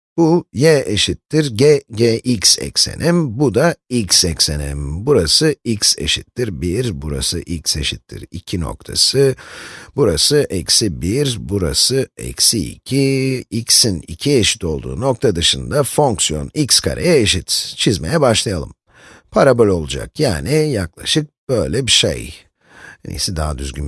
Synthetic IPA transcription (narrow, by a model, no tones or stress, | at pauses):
b̥ujɛeʃit̪ːiɾɟɛɟeʔicsɛ̰cse̞̰nʔɛmbud̪aicsɛcsenɛ̰mbuɾasɯicse̞̰ʃit̪ːiɾbiɾbuɾa̰sɯʔicse̞̰ʃit̪ʰːḭɾḭcʰino̞̰k̚t̪ʰasɯbuɾa̰sɯʔɛcsibiɾbuɾa̰sɯɛ̰ksiḭcʰiicsinḭcʰieʃi̥t̪ʰo̞lˠd̪ṵːno̞k̚t̪ʰad̪ɯʃɯnd̪afo̞ŋksijo̞̰nicskʰa̰ɾʔejɛeʃit̪t͡ʃʰizme̞̰jɛbaʃlˠajalˠɯm | pʰaɾabølʲo̞lˠud͡ʒa̰kjaːnijaklˠa̰ʃɯk̚b̥øjlʲɛbiʃḛj | nḭsid̪aɦad̪yzɡʲym